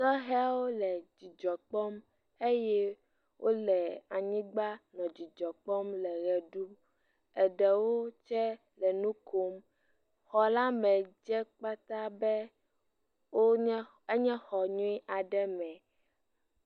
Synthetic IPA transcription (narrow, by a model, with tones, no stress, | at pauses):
sɔ˦ɦɛ˦a˦wo˦lɛ˨d͡ʑi˨d͡ʒɔ˨k͡pɔ˦m | e˦jɛ˦ | wʔo˦lɛ˨a˨ɲĩ˦ɡ͡ba˦nɔ̃˨d͡ʑi˨d͡ʒɔ˨k͡pɔ˦mlɛ˨ɣɛ˨ɖu˦ | ɛ˨ɖɛ˨wo˦t͡ʃɛ˦ | lɛ˨nũ˦kʰo˦m | xɔ˨la˦mɛ̃˨d͡ʒɛ˦k͡pa˦t̪a˦bɛ˦ | wo˦ | e˦ɲɛ̃˦xɔ˨ɲũ˦i˦ʔa˨ɖɛ˦mɛ̃˨